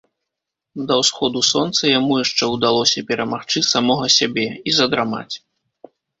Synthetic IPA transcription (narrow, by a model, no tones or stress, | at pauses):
d̪ɐwsxɔd̪usɔnt̪sɐjamujaʂt͡ʂɛwd̪alˠɔsʲɐpʲɛɾɐmaxt͡ʂɨsamɔɣɐsʲabʲɛizɐd̪ɾama̰t͡sʲ